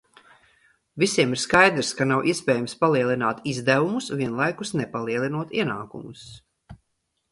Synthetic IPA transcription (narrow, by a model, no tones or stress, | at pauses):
visiɛmiɾskajd̪ɾskanawʔiɛsʲpɛːjamspalˠiɛlˠinaːt̪izd̪ævumusviɛnlˠajkusnɛpalˠiɛlˠinuɔt̪iɛnaːkṵmus